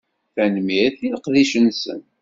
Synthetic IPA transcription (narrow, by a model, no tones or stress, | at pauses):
θænmiθiðəqðiʃənsə̰n